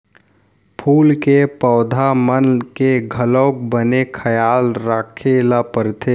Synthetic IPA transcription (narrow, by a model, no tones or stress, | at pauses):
pʰuːlkepɔːd̪ʱamənkeɡʱəloːk̚bənekʰəjaːlɾaːkʰelapəɾt̪ʰeː